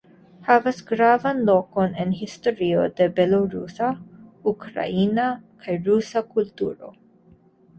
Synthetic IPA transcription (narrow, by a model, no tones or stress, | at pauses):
havasɡɾavanlokonenhist̪oɾiod̪ebeloɾusaukɾa̰inakʰajɾusakult̪uɾo̰